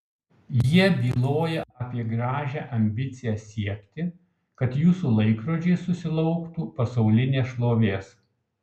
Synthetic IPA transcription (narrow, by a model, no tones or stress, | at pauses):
jiɛbʲiːlˠoːjɛʔɐːpʲiɛɡɾɑːʒʲæʔɐmʲbʲɪt̪sʲɪjæsʲiɛkʲt̪ʲɪ | kɐt̪juːsuːlˠɐɪkɾoːd͡ʒʲɛɪsʊsʲɪlˠɐʊkt̪uːpɐsɐʊlʲɪnʲeːsʃlˠoːʋʲeːs